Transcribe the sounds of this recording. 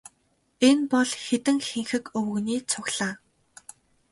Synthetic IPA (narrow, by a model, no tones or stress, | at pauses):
enpɔɮxet̪ɘ̆ŋxeŋxɘ̆kɵwɵ̆ɣniːt͡sʰʊɣɮaː